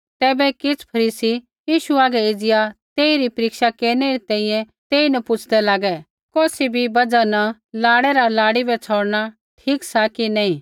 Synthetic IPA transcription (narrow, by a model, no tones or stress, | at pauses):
t̪ɛːbɛkɪt͡sʰpʰɐɾiːsi | jiːʃuaːɡɛɪd͡zɪjat̪eːiɾipɐɾɪkʃakeːɾñɛɾit̪ɛ̃ːĩjɛ̃ | t̪eːinɐpʊt͡ʃʰd̪ɛlaːɡɛ | koːsibʱibɐd͡zanɐ | laːɽɛɾalaːɽibɛt͡sʰoːɽɽ̃a | ʈʰiːksakinaːĩ